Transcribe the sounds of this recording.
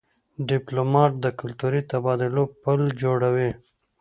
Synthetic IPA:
ɖiplomɑʈ̚d̪əkʊlt̪uɾit̪abɑd̪ɪlopəld͡ʒoɽawi

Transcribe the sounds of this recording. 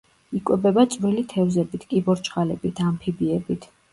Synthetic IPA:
ikʼwɛbɛbat̪sʼvɾilit̪ʰɛvzɛbit̪ʰkʼibɔɾt͡ʃʰʼχʼalɛbit̪ʰampʰibiɛbit̪ʰ

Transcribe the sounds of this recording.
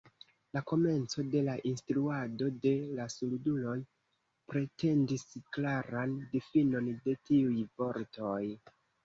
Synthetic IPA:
lako̞me̞nt͡so̞de̞laʔinstɾuado̞de̞lasuludulo̞j | pɾe̞te̞ndisklaɾandifino̞nde̞tiujvo̞ɾto̞j

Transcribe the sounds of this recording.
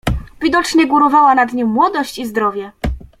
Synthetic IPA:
vʲid̪ɔt͡ʂɲɛɡuɾɔvawanad̪ɲimːwɔd̪ɔɕt͡ɕizd̪ɾɔvʲjɛ

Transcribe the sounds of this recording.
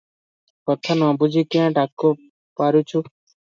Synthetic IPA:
pət̪ʰːənãːbʊd͡ʒʱiːkɪãːʈaːkːoː | paːɾjũːt͡ʃʰuː

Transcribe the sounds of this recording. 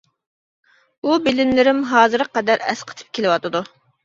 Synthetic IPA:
ubɪlɪnlɪɾɪmɦɑːzɨɾqɛd̪æɾɛ̰sqʰə̥t̪ʰɨ̥p̚kʲʰelɨwɑt̪ɨd̪u

